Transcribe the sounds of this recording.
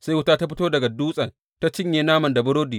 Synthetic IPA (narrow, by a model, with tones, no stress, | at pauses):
sa˦jwʊ˦taː˦ta˦ɸɪ˦toː˦dɐ˨ɡa˨duː˦sʼɐ˨n | ta˦t͡ʃɪ˦ɲjeː˨naː˦mɐ˨nda˨bʊ˦ɽoː˦diː˨